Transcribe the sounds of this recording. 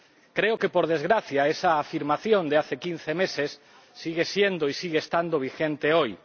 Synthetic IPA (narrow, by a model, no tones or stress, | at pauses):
kɾeokepoɾð̞ezɣɾaθjaesaːfiɾmaθjõnd̪eaθekin̟θemesesː | iɣesjend̪oisiɣest̪and̪oβ̞ixent̪eoj